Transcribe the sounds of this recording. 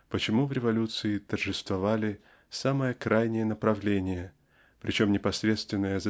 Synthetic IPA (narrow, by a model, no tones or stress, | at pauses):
pət͡ɕɪmuvɾʲɪvɐlʲut̪sɨɪt̪ərʐɨst̪vɐvalʲɪ | saməjəkɾajnʲɪjənəpɾɐvlʲenʲɪjə | pɾʲɪ̰t͡ɕo̞mnʲɪpɐsɾʲe̞t̪st̪vʲɪnːəjəz